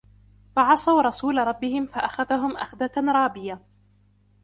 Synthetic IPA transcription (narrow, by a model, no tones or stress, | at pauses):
faʕɑsˤɑwɾˤɑsuːlaɾˤɑbːɪhɪmfaʔaxaðaɦʊmʔa̰xðaɾˤɑːbɪja